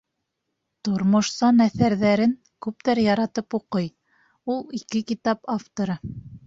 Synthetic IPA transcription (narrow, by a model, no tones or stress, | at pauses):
t̪ŏɾmŏʃsɑnæθæɾðæɾɘŋ | kʉp̚t̪æɾjɑɾɑt̪ɤpuqɤj | ulˠikɘkit̪ɑpaft̪oɾɤ